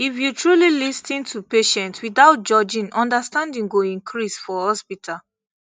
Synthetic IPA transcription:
ifjutʰɹulilistĩntʰupeʃɛ̃ntwiθaʊt̚d͡ʒɔd͡ʒĩŋɔ̃ndəstãndĩŋɡoĩnkʰɹisfɔhɔspitʰal

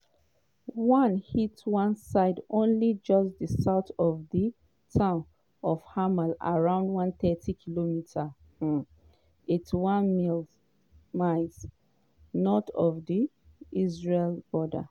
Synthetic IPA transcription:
wʌ̃nhitwãnsaɪdõnlid͡ʒɔsdisaʊtɔvði | tʰãʊ̃n | ɔv̥hamala̰ɹãʊ̃ndwãnθɛtʰikʰilomitʰa | itwãnmil | maɪs | nɔtɔvði | izɹelb̥ɔda̰

